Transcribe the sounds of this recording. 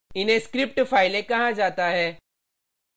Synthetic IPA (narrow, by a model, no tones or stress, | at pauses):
ɪnɦẽskɾɪp̚ʈfʰaːɪlẽkɐɦãd͡ʒaːt̪aɦɛː